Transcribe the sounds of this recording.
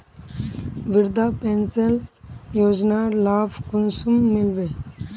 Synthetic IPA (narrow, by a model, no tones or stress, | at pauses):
ʋɪɾd̪aːpenseljoːd͡ʒnaːlaːfkʊnsumːɪlʋeː